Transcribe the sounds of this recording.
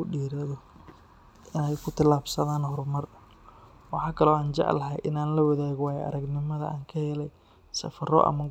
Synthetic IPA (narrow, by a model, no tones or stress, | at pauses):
ʊɖiːɾɐðɔ | ʔɪnɛjkʰʊt̪ʰɪlaːbsɐðaːnhɔrmɐr | wɑħɑːkʰɐlɔːaːnt͡ʃɑ̰ʕlɐɦɛ̰jʔɪ̰naːnlɐwɐðaːɣwaːjɛʔɐ̰ɾɐɡnɪmɐðɐ̰a̰ːŋkʰɐhɛːlɛj | sɐ̰fɐrɔ̰ʔɐ̰mɐ